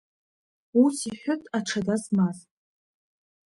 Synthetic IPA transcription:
usiħʷʊtʼaʈ͡ʂʰadazmaz

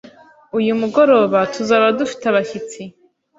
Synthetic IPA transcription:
ujimɡɔɾobatʰuzaɾadɨʃtʰaβaχʲit͡sʰi

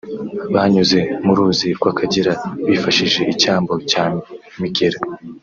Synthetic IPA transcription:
βaːɲuze̞muɾuziɾkwakʰaɟiɾaβiːfaʃiʒe̞ʔicaːmbo̞ca | miɡeɾa

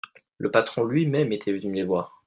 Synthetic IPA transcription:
lʔəpat̪χɔ̃lɥimɛmet̪ʰɛvənylevwaːʁ

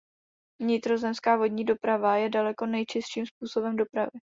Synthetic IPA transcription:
vɲɪt̪ɾo̞zɛmskaːvo̞dɲiːdo̞pɾavajɛdalɛko̞nɛjt͡ʃɪst̪ʃiːmspuːso̞bɛmdo̞pɾa̰vɪ

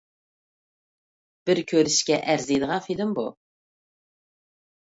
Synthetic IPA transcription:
b̥ɪɾkʲʰøɾɪʃkʲɛʔæɾzijd̪əʁɑfid̪ɪmbu

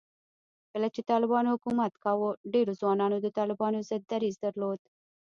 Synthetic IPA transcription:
kəlat͡ʃet̪ɑlɪbɑnohʊkumat̪kɑwəɖeɾozwɑnɑnod̪ət̪ɑlɪbɑnozɪd̪ːaɾizd̪aɾlod̪̥

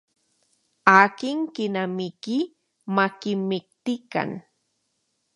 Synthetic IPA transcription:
akɪŋkɪnamɪkɪ | makɪmɪk̚t̪ɪka̰n

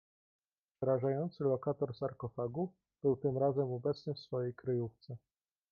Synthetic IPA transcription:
pʂɛɾaʐajɔnt̪sɘlɔkat̪ɔɾsaɾkɔfaɡu | b̥ɘwt̪ɘmɾazɛmɔbɛt̪snɘfsfɔjejkɾɘjuft̪sɛ

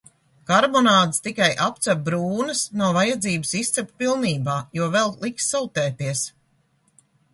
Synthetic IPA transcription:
kaɾbɔnaːd̪st̪ikajʔap̚t̪sab̚bɾuːnəsnuɔvajad̪ziːbɨsist̪sɛpʲpilˠniːbaːjuɔvɛlˠlˠiksːɔlˠt̪ɛːt̪iɛs

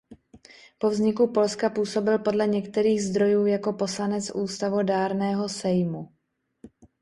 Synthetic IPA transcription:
po̞vzɲɪkupo̞lskapuːso̞bɪlpo̞dlɛɲɛkt̪ɛɾiːɣzd̪ɾo̞juːjako̞po̞slanɛt͡sʔuːst̪avo̞daːɾnɛːɦo̞sɛjmu

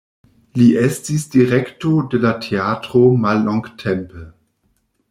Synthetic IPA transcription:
liʔɛstisd̥iʁɛktodelatʰeatʁ̥omalːɔŋɡtʰɛmpə

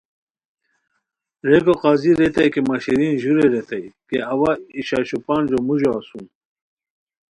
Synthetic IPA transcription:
ɾeɡoqaːziɾet̪ɐjkemaɕiɾinʑuɾeɾet̪ɐjkeɐwaiɕaːɕupaːnd͡ʑomuʑoasũn

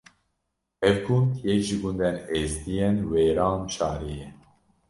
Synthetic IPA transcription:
ɛvɡund̪jɛkʒɨɡund̪ɛneːzd̪ijɛnweːɾɑːmʃɑːɾijɛ

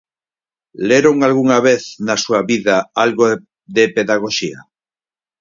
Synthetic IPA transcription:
leɾoŋalɣuŋaβeθnasuaβiðaalɣo | d̪epeðaɣoʃia

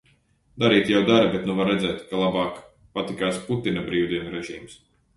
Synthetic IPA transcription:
d̪aɾiːt̪jawd̪aɾbɛt̪nuvaɾːɛd̪zɛːt̪kalˠabaːk | pat̪ikaːsput̪inabɾiːwd̪iɛnuɾɛʒiːms

